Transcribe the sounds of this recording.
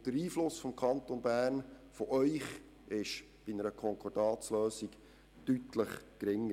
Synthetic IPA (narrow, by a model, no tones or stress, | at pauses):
d̥əɾiːflʊsfɔmkʰɑnt̪onbæːrnfɔʔœʏχ | ɪʃ | b̥inəɾəkʰɔŋkʰɔdɑːt͡sløːsiɡ | tytləχkɾɪŋːə